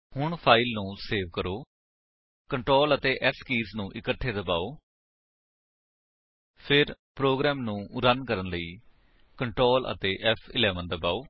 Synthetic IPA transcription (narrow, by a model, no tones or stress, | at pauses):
hʊɳpʰaːilnũːseːʋkəɾoː | kəɳʈɾoːlət̪eːʔɛskiːznũːʔɪkəʈʰːeːd̪əbaːoː | pʰɪɾpɾoːɡɾɛːmnũːʊɾənkəɾənləiː | kəɳʈɾoːlʔə̰t̪eːʔɛpʰɪlɛːʋənd̪əbaːoː